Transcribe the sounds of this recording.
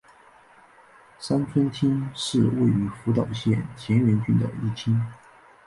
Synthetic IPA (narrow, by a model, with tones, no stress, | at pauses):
sa˥nt͡sʰə˥nt̪ʰi˥ŋʂɻ̩˥˩˧we˥˩ɪy˧˥fu˧˥t̪ɑ˨˩ʊɕjɛ˥˩nt͡ɕʰjɛ˧˥nɥɛ˧˥nt͡ɕy˥˩d̪ə̰˩ḭ˥˩t͡ɕʰi˥ŋ